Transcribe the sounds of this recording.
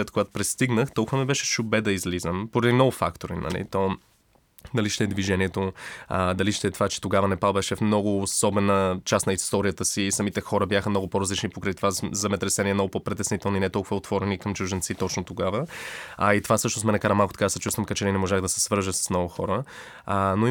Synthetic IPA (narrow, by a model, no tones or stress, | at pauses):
ɛt̪koɡat̪ʊ̥pɾɛst̪iɡnəxt̪ɔlˠkʊvəmibɛʃɛ̥ʃʊbɛd̪ɐizlizəmpoɾɐd̪inɔɡʊfa̰kt̪oɾḭnɐ̰lḭt̪ɔ | d̪ɐliʃt̪ɛɛd̪viʒɛniɛt̪oəd̪ɐliʃt̪ɛt̪ovat͡ʃɛ̥t̪oɡavənɛpalˠbɛʃɛfmnɔɡʊːsɔbɛnət͡ʃasnɐist̪ɔɾijət̪əsisɐmit̪ɛxɔɾəbjaxəmnɔɡʊpoɾɐzlit͡ʃnipokɾəjt̪ovazɛmɛt̪ɾɛsɛniɛmnɔɡʊpopɾit̪ɛsnit̪ɛlˠnoinɛt̪ɔlˠkʊvəot̪v̥ɔɾɛnikɐmt͡ʃʊʒɛnt̪sit̪ɔt͡ʃnot̪oɡavəɐit̪ovasɤʃnosmɛnɐkaɾəmalˠkot̪ɐ̥kad̪əsɛt͡ʃust̪vəmkət͡ʃɛninɛmoʒaɣd̪ɐsɛ̥svɤɾʒəsə̥snɔɡʊxɔ̰ɾə | no